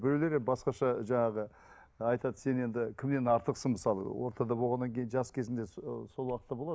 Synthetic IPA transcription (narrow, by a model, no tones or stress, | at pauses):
bɪɾele̞ɾebɑsqɑʃɑʒɑɴɑʁə | ɑjt̪ɑd̪əse̞ne̞nd̪ɪkʲʰɪmne̞nɑɾt̪əqsənməsɑlˠə̰wo̞ɾt̪ɑd̪ɑbo̞lˠʁɑnːɑŋkʲʰe̞jɪnʒɑskʲʰezɪnd̪e̞so̞lˠwɑqət̪ːɑbo̞lˠɑd̪